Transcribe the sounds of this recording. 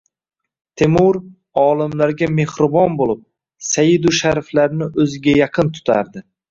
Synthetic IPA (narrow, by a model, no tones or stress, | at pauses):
t̪ʰemʊɾ | ɒːlˠɪmlaɾɡʲame̞hɾɪbɒnbolˠɪp̚ | sajɪd̪uʃaɾflaɾnɪʔɵzɪɡʲajɑqʰɨnt̪ʰʊ̥t̪ʰa̰ɾd̪ɪ